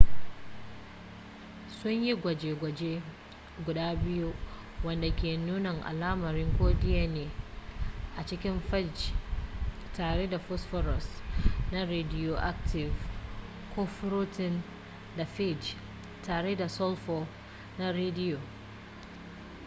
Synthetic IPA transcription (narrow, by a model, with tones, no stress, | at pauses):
sʊ˦ɲji˦ɡʷɐ˨d͡ʒeː˨ɡʷɐ˨d͡ʒe˦ | ɡʷʊ˨daː˦bɪ˦ju˦ | wɐ˦nda˨kʲeː˨nuː˦nɐ˨ŋʔa̰˨laː˦mɐ˨ɾɪ˦ŋkʷoː˦dɪ˦ja˦neː˨ | ʔa˨t͡ʃɪ˦kʲɪ˦mfɛ˦d͡ʒ | taː˨ɽe˦da˨ɸɔ˦sfɔ˦ɾɔ˨sna˦ɾeː˦dɪ˦jo˨ʔa˦k̚tʰɪ˨v | kʰʷoː˦ɸʊ˦ɾu˦tɪ˦n | da˨ɸe˦˨d͡ʒ | taː˨ɽe˦da˨sɔ˦lfɔ˦ | na˦ɾeː˦dɪ˦jo˨